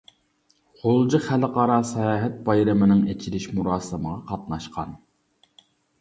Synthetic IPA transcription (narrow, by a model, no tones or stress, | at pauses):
χʰolˠd͡ʒiχælqɑɾɑsɑjɑːɦɛt̪̚bɑjɾɪmɪnɪŋet͡ʃʰiɾɪʃmuɾɑːsɨməʁɑqʰɑt̪̚nɑʃqʰɑ̰n